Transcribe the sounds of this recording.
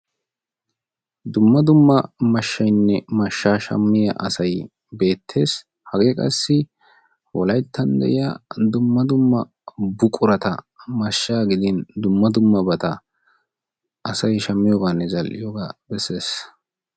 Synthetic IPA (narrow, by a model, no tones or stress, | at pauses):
d̪ʊmːɐd̪ʊmːɐmɐʃːɐjnːɛmɐʃːaːʃɐ̰mːɪjɐ̰ʔɐsɐj | be̞ːt̪ʰːe̞ːs | hɐɡeːkʼɐsːɪ | wɔlɐjt̪ʰːɐnd̪ɛ̰ʔɪjɐd̪ʊmːɐd̪ʊmːɐ | bʊkʼʊɾɐt̪ɐ̰ | mɐʃːaːɡɪd̪ɪnd̪ʊmːɐd̪ʊmːɐbɐt̪ɐ | ɐsɐjʃɐmːɪjoːɡanːɛzɐlʔɪ̰joːɡaːbɛsːe̞ːs